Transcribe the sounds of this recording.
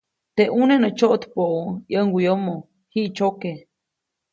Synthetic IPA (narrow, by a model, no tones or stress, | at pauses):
t̪eʔunenət͡ʃoʔt̪poʔojəŋɡijomo | hiʔt͡ʃoke